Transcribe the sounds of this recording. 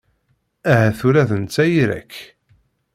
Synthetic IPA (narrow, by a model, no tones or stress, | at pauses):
æɦæθuɾæðənt͡sːæjiɾæ̰kː